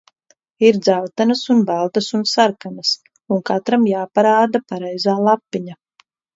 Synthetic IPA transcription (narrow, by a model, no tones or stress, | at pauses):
iɾd̪zawt̪anasunbalˠt̪asunsaɾkanas | unkat̪ɾamjaːpaɾaːd̪apaɾɛjzaːlˠapːiɲa